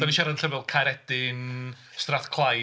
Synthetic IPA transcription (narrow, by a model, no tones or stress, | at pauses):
daniʃaɾanɬəvɛlˠkʰaɾɛd̥ɪn | straθkʰlˠaj